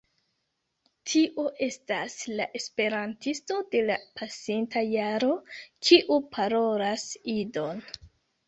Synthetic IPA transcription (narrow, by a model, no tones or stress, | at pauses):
tʰiʔoʔe̞staslaʔe̞spe̞ɾantisto̞de̞lapʰasintʰajaɾo̞kʰiʔupʰaɾo̞lasido̞n